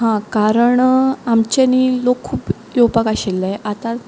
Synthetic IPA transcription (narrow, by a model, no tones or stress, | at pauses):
ɦãkaɾəɳamt͡ɕenilokʰːuːp | jowpakaɕelːajʔat̪ã